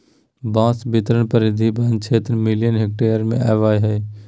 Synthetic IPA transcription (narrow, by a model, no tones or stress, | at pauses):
bãːsbɪt̪ɾəɳpəɾɪd̪ʱibʱənt͡ʃʰeːt̪ɾmɪlɪjənɦɪk̚ʈeːjəɾmḛ̃aːʋaːjɦɛː